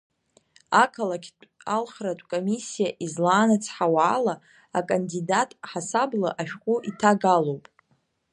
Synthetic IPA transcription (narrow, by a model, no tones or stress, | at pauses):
akʰalakʲʼalχratʷʼkʼomisijaʔizlaːnat͡sʰħawaːla | akʼandidatʼħasablaʔaʃᶣqʷʼuʔitʰaɡalowpʼ